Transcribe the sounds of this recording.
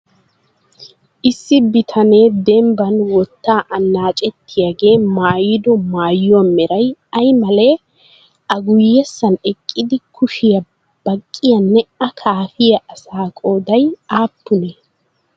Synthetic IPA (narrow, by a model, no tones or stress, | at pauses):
ʔɪsːɪbɪt̪ʰɐneːd̪ɛmbɐnwɔt̪ːaːʔɐnːaːt͡ʃʼɛt̪ːɪjɐɡe̞ːmaːjɪd̪ɔmaːjːɔmːɛɾɐjɐjmɐle̞ː | ʔɐɡʊjːɛsːɐnɛkʼːɪd̪ɪkʰʊʃɪjɐ | b̥ɐkʼːɪjɐnːɛɐkʰaːfɪjɐʔɐsaːkʼo̞ːd̪ɐjaːpːʊneː